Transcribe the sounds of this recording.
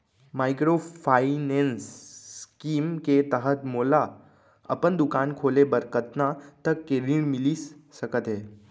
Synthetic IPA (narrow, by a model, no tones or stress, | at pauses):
maːjkɾopʰainenskiːmket̪əɦət̪moːla | ə̰pənd̪ukaːnkʰoːlebəɾkət̪nat̪əkːeɾiɳmilissəkət̪ɦeː